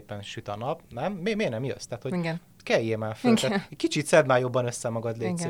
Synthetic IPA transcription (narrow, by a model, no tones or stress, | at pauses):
epɛnʃyt̪ɒnɒpnɛmːeːmeːrnɛmjø̰st̪æːt̪ho̞ɟ | kɛjːeːmaːfkit͡ʃit̪sɛd̪maːjo̞bːɒnøsːɛmɒɡɒd̪leː